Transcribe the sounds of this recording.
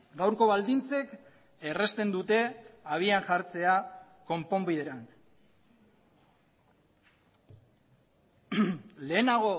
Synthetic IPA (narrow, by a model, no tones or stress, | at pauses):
ɡawɾko̞βald̪int͡se̞k | ere̞st̪e̞nd̪ut̪e̞aβ̞iaŋʝaɾt͡se̞a | ko̞mpo̞mbiðeɾan | le̞ːnaɣ̞o̞